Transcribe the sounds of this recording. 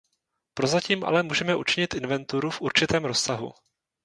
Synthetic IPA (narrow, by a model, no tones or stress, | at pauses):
pɾo̞zaciːmʔa̰lɛmuːʒɛmɛʔut͡ʃɪɲɪt̪ʔɪnvɛnt̪uɾufʔuɾt͡ʃɪt̪ɛːmɾo̞ssaɦṵ